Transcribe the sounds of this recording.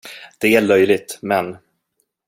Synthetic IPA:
d̪̥ɛæɭœjlɪɡ̚t̪mɛn

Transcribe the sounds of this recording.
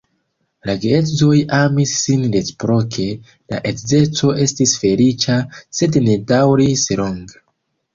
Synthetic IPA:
laɡetzojamisːinlespɾokʰe̞ | la̰ʔetze̞t͡so̞ʔe̞stisfe̞lit͡ʃase̞dne̞dawɾisloŋɡ

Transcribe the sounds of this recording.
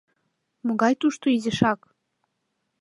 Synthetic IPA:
mŏɣɑjt̪uʃt̪oizʲeʃɑk

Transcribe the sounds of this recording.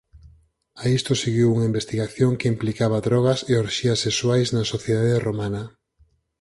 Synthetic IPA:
aist̪oseɣiwuŋɐimbest̪iɣaθjoŋkeimplikaβɐðɾɔɣ̞ɐseoɾʃiɐseswajznɐsoθjeðaðeromanɐ

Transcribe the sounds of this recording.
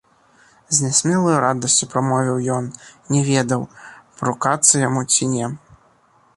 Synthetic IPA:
zʲnʲɛsʲmʲɛlˠɐjuɾad̪ɐsʲt͡sʲupɾamɔvʲiwjɔnnʲɛvʲɛd̪ɐwpɾukat̪sːɐjamut͡sʲinʲɛ

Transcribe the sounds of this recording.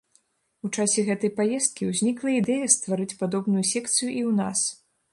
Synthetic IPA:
ut͡ʂasʲɛɣɛt̪ɐjpajɛst̪̚kʲiwzʲnʲiklˠɐid̪ɛjɐst̪vaɾɨt͡sʲpad̪ɔbnujusʲɛkt̪sɨjuʔiwnas

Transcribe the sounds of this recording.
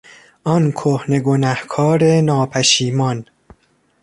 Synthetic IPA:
ʔɒnkʰohne̞ɡonæhkʰɒːɾenɒːpʰæʃiːmɒn

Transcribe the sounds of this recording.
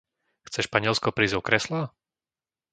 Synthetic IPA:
xt͡sɛʃpaɲɪɛlskɔpɾiːzɔkɾɛsla

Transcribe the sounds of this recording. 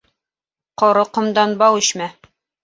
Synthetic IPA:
qŏɾɤqɤ̆md̪ɑnbɑwɘ̆ɕmæ

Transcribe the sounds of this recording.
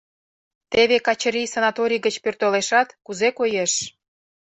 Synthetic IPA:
t̪eβekɑt͡ɕə̆ɾijsɑnɑt̪oɾʲijɣət͡ɕpørt̪oleʃɑt̪kuzekojeʃ

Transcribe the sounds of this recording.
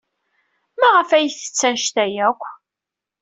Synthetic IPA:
mæʁəfæjθə̥t͡sːænʃt̪æjækʷː

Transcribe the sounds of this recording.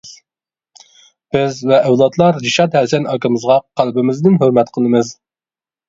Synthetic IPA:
b̥ɪzvɛʔːwlˠɑt̪lˠɑɾd͡ʒiʃɑt̪hɛsɛnɑkɨmɨzʁɑqʰælbɪmɪzd̪ɪnɦøɾmɛt̪qʰəlˠɨmɨz

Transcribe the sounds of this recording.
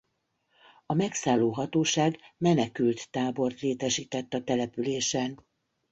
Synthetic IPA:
ɒmɛksaːlːoːɦɒt̪oːʃaːɡmɛnɛkylt̪ːaːbo̞rt̪leːt̪ɛʃiːt̪ɛt̪ːɒt̪ɛlɛpyleːʃɛn

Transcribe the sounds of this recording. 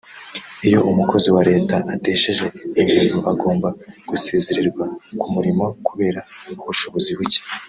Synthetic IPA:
ijo̞ʔumuko̞ziwaɾe̞ːtaʔate̞ːʃe̞ʒe̞imiːnɡuʔaɡo̞ːmbaɡ̥usiiziɾiɾɡwakumuɾimo̞kuβe̞ːɾauβuʃo̞βo̞ziβuci̥

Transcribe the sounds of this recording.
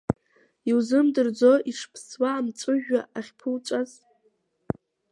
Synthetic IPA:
iwzɨmdɨrd͡zo̞ʔiʂpʰswaːmt͡sʼɨʒᶣaaχʲpʰɨlt͡ʃʷʼaz

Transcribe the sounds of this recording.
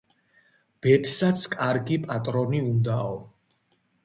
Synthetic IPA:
b̥ɛt̪ʰsat̪sʰkʼaɾɡipʼat̪ʼɾɔniund̪aɔ

